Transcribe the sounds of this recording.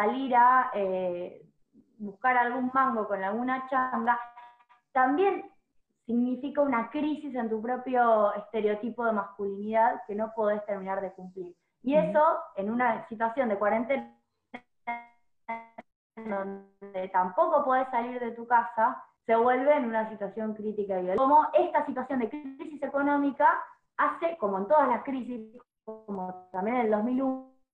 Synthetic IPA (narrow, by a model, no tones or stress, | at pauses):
saliɾae | buhkaɾalɣummaŋɡo̞ko̞nalɣunat͡ʃaŋɡa | t̪ambje̞n | siɣnifikaunakɾisis̬e̞nt̪̬up̬ɾo̞pjo̞est̪e̞ɾeo̞t̪ipo̞ðe̞maskuliniðaðke̞no̞pweðest̪eɾmĩnaɾð̞e̞kumpliɾ | ie̞so̞e̞nunasit̪wasjo̞nd̪e̞kwaɾe̞nt̪en | nd̪on | d̪et̪ampo̞ko̞pweðesːaliɾðe̞t̪ukasa | se̞βwe̞lβeːnunas̬it̪wasjo̞ŋkɾit̪̬ikaβiamoʔe̞st̪asit̪wasjo̞nd̪ekɾisise̞ko̞nõ̞mika | aseko̞moe̞nt̪o̞ð̞azlaskɾis̬i | komot̪ambjeneneld̪o̞ɦmilu